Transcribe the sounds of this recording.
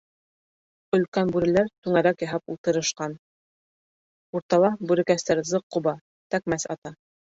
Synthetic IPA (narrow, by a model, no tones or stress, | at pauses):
ɵ̆lkænbʉɾɘ̆læɾt̪ʉŋæɾækjɑɦɑpṵlˠt̪ɤ̆ɾɤ̆ʃqɑn | uɾt̪ɑlˠɑbʉɾɘ̆kæst̪æɾzɤqːuβɑ | t̪ækmæsɑ̰t̪ɑ